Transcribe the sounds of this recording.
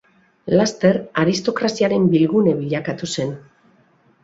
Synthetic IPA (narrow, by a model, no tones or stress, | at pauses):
last̪e̞ɾaɾist̪o̞kɾasiaɾe̞mbilɣune̞βiʎakat̪use̞n